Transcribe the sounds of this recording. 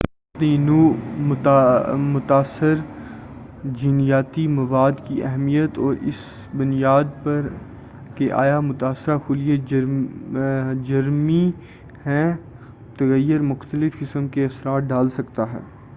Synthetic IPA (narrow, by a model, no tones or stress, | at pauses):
ɪpninuːmt̪mʊt̪aːsəɾ | d͡ʒiːnijaːt̪imɐʋaːd̪kiʔɛɦmijət̪ɔːɾɪ̰s | bʊnijaːd̪̚pɐɾ | keʔa̰ːjamʊt̪aːsɪɾakʰʊlije | d͡ʒɐɾmi | hɛ̃ | t̪ɐɣəjːəɾmʊxt̪əlɪfkɪsəmkeɐsɾaːʈ̪̚ɖaːlsɐkt̪aɦɛ̰ː